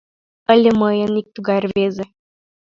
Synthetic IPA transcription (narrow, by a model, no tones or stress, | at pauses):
əlʲemɤjənik̚t̪uɡɑrβezʲĕ